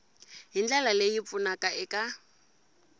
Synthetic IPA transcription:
ɦind͡ɮalalejip̪fʊnakʼaɪkʼa

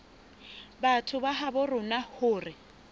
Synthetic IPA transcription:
batʰʊbaɦabʊrʊnahʊːrɪ

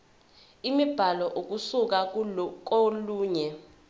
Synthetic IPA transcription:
imib̥ʱalɔʔok̬ʼusuk̬ak̬ʼoluːɲɛ

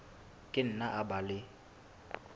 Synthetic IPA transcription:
kʼɪn̩naʔabalɪ

